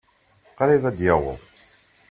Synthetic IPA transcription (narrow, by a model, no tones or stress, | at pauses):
qɾivæd̪jæwə̰ðˤ